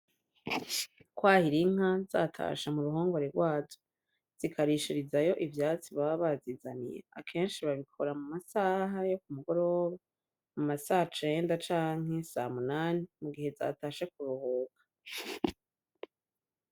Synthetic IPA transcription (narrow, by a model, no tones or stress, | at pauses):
kwaːhiɾiŋ̥aza̰ːtʰa̰ːʃamuɾuɦoːŋɡo̞ɾeɾɡwaːzo | z̥ikʰaɾiʃiɾizajo̞ʔivjaːt͡siβaβazizanḭjḛa̰kʰe̞ːnʃiβaβikʰo̞ɾamumasaːɦajo̞kumuɡo̞ɾoβa | mumasaːhat͡ʃe̞ːndat͡ʃaːŋ̥ɦe̞sa̰munaːnimuɡihe̞za̰ːtaːʃakuɾuhoːkḁ